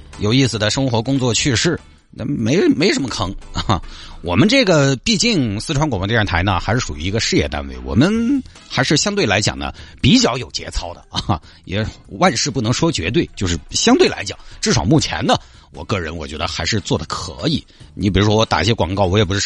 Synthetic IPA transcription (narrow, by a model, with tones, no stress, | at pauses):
jo˨˩ʊi˥˩sɹ̩˩d̪ə˩ʂɤ˥ŋxwɔ˧˥kʊ˥ŋt͡swɔ˥˧˩t͡ɕʰy˥˧ʂɻ̩˥˩˥ | me˧˥ɪme˧˥ɪʊʂə˧˥nmə˧kʰɤ˧˥ŋ˥˩ | wɔ˨˩mə˦nʈ͡ʂɤ˥˩ɡə˩pi˥˧t͡ɕi˥˩ŋsɹ̩˥ʈ͡ʂʰwa˧˥nkwm˧˥t̪i˥˧ɻnt̪ʰa˧˥ɪnə˧xa˧˥ɪʂɻ̩˥˩ʂu˨˩y˧˥i˧˥ɡə˧ʂɻ̩˥˧jɛ˥˧t̪a̰˥nwe˥˩ɪwɔ̰˨˩mə˦n | xa˧˥ɪʂɻ̩˥˩ɕjɑ˥ŋt̪we˥˩ɪla˧˥ɪt͡ɕjɑ̰˨˩ŋnə̰˦pi˧˥t͡ɕjɑ˥˩ʊjo˨˩ʊt͡ɕjɛ̰˧˥t͡sʰɑ˥ʊd̪ə̰˧ | jɛ˨˧˥wa˥˧nʂɻ̩˥˧pu˥˩nɤ˧˥ŋʂwɔ˥t͡ɕɥɛ˧˥t̪̬we˥˩ɪt͡ɕjo˥˧ʊʂɻ̩˥˩ɕjɑ˥ŋt̪we˥˩ɪla̰˧˥ɪt͡ɕjɑ̰˨˩˦ŋʈ͡ʂɻ̩˥˩ʂɑ˨˩ʊmu˥˩t͡ɕʰjɛ̰˧˥nd̪ə˧ | wɔ̰˨˩kɤ˥˩ɻə˧˥nwɔ˨˩t͡ɕɥɛ˧˥d̪ə˧xa˧˥ɪʂɻ̩˥˧t͡swɔ˥˩d̪ə˩kʰɤ̰˧˥i˨˩˦ni˧˥˩pi˨˩ɻu˧˥ʂwɔ˥ɔ˧t̪a̰˨˩i˧˩ɕjɛ˥kwɑ̰˨˩ŋkɑ˥˩ʊwɔ˧˥jɛ˨˩p̬u˧˥ʂɻ̩˥˧˥